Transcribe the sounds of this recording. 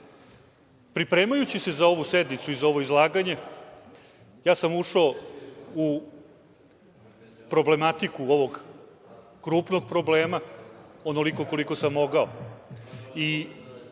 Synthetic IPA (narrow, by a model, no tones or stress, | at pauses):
pɾipɾe̞ːmajut͡ɕise̞zao̞ʋused̪nit̪suizao̞ʋo̞izlˠaːɡaɲe̞ | jaːsamuʃaou | pɾo̞ble̞mat̪ikuo̞ʋo̞ɡ | kɾuːpno̞ɡ̚pɾo̞bleːmaono̞liko̞ko̞liko̞samːo̞ɡao | i